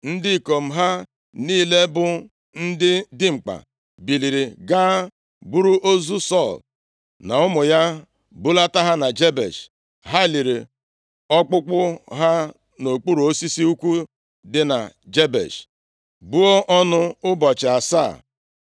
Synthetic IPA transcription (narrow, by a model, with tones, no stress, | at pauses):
n̩˦dɪ˦˨ko˨m̩˦ɦa˦ | niː˦le˦bʊ˦ | n̩˦dɪ˦dɪ˦ŋ͡m̩˨k͡pa̰˨ | bi˨li˨ɾi˨ɡa˦ | bu˦ɾu˦ʔo˦zu˦sɔ˦˨l | na˨ʊ˦mʊ˨ja˦ | bu˦la˦ta˦ɦa˦na˨d͡ʒe˦bḛ˨ʃ | ɦa˦li˨ɾḛ˨ | ɔ˦k͡pʊ˦k͡pʊ˦ɦa˦ | no˨k͡pu˦ɾu˨o˦si˦si˦u˦kʷu˦ | dɪ˦na̰˨d͡ʒe˦bḛ˨ʃ | bu˦o˦ʔɔ˦nʊ˦ʊ˦bɔ˨t͡ʃɪ˨a˨sa̰ː˦˨